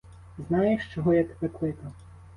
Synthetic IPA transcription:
znɑjeʃt͡ʃɔɦɔjɐt̪e̥pɛklˠɪk̪ɐ

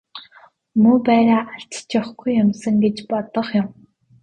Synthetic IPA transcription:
mɵːpæːɾaːʔaɬt͡ɕt͡ɕʊχɡujːʊmsə̆ŋɡet͡ɕpɔt̪ɞ̆χjʊ̆m

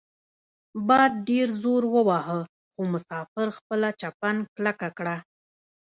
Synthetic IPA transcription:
bɑjd̪̚ɖeɾzoɾwəwɑhə | xomʊsɑfɪɾxpəlat͡ʃapanklakakɽa

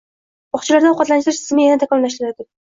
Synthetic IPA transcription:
bɒχt͡ʃʰɪlaɾd̪aɒqɒt̪lanɪʃt̪ɪɾɪʃsʰɪzmɪjanaɪt̪ʰakɒmlaʃɪɾad̪ɪ

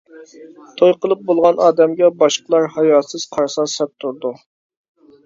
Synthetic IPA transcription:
t̪ʰojqəlˠɨp̚bolˠʁɑnɑːd̪ɛmɡʲɛbɑʃqəlˠɑɾhɑjɑt̪sɨz̥qʰɑɾsɑsɛp̚t̪ʰuɾd̪u

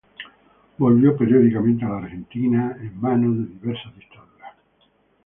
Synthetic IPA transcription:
bo̞lβjopeɾjoðikamẽnt̪ealaːɾxent̪inaemmãnoðeðiβeɾsazðit̪aðuɾa

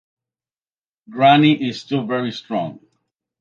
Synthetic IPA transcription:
ɡɹaniʔɪstulˠvɛɹistɹɔ̰̃ŋ

